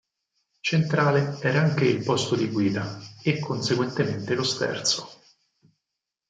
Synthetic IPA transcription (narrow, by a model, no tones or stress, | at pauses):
t͡ʃent̪ɾaːleɛːɾaaŋk̟eilpɔst̪od̪iɡwiːd̪aekːonseɡwent̪ement̪elost̪ɛ̰rt̪so̥